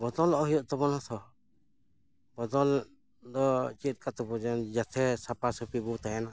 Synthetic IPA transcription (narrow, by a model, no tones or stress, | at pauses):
bɔd̪ɔlɔɦijɔʔt̪ɔbɔnhɔt̪ʰɔ | bɔd̪ɔl | d̪ɔt͡ʃit̪̚ˀkat̪ɔbɔd͡ʒand͡ʒat̪ʰɛsapasɔpibɔt̪ajana